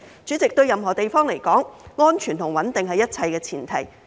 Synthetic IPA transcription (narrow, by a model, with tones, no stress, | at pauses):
t͡syː˨˥t͡sɪ˨k̚t̪ɵ˧ɥjɐ˨mɦɔː˨˩t̪e˨jfɔː˥ŋle˨˩jkɔː˨˥ŋŋɔː˥nt͡ʃʰyː˨˩nt̪ʰʊ˨˩ŋwɐ˨˥nt̪ɪ˨ŋɦɐ˨jɐ˥t̚t͡sʰɐ˧jkɛː˧t͡sʰiː˨˩nt̪ʰɐ̰˨˩j